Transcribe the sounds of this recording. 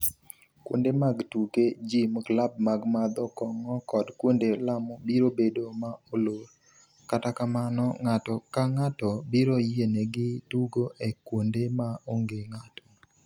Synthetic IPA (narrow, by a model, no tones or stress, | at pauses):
kwo̰ndemaɡtuked͡ʒimklab̚maɡmad̪ɔkɔŋɔkɔdkwondelamɔbiɾobedomaoloɾ | katakamanɔ̰ŋatɔkaŋatɔbiɾojeneɡɪtuɡoʔekwondemaoŋɡeŋatɔ̥